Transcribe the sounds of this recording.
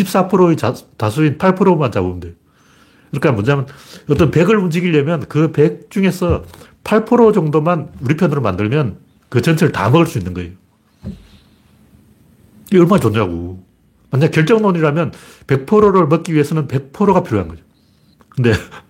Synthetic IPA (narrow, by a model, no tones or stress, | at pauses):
ɕʰip̚s͈apʰɯɾoeatasʰuinpʰaɭpʰoɾomant͡ɕamundejo | kɯɾik͈amwʌnɲamanʌt͈ʌnpe̞ɡɯɭund͡ʑiɡiʎːʌmjʌnkɯpe̞k̚t͡ɕ͈uŋe̞sʰʌ | pʰaɭpʰoɾod͡ʑʌŋdomanuɾipʰjʌnɯɾomandɯɭmjʌn | kɯt͡ɕʌnt͡ɕʰeɾɯɭta̰mʌɡɯɭs͈uinːɯnɡʌejo | ʌɭmat͡ɕoɲoɦaɡo | manɲakjʌɭt͡ɕ͈ʌŋnoɲiɾamjʌn | pe̞k̚pʰoɾoɾɯɭmʌt̚k͈iɥiesʰʌnɯnpe̞k̚pʰoɾoɣapʰiɾjoɦanɡʌd͡ʑo | kɯnde̞